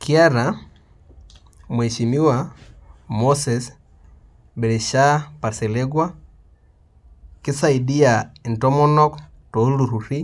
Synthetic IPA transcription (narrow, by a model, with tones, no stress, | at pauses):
ki˦a˦ɾa | mwɛ˨ʃi˨mi˦wa | mosɛs | bɛ˨ɾɛ˨ʃa˦pa˨ɾsɛ˨le˦ɡwa | kɪ˦sa˨i˨di˦a˨i˨ntɔ˦mɔ˦nɔ˦k | to˨˦lu˨ɾu˨ɾi˦